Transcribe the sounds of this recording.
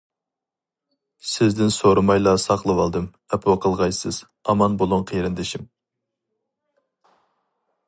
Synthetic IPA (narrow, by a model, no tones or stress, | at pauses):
sɪzd̪ɪnsoɾɨmɑjlˠɑsɑqlˠɨwɑlˠd̪ɨm | ɛpʰwəqʰəlˠʁɑjsɨz̥ | ɑmɑnbolˠʊŋqʰeɾɪnd̪ɪʃim